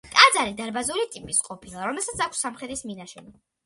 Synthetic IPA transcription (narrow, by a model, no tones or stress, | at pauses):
t̪ʼad̪zaɾid̪aɾbazuɾit̪ʼipʼisqʼɔpʰilˠaɾɔmɛlˠsat̪sʰakʰsːamχɛd̪isminaʃɛni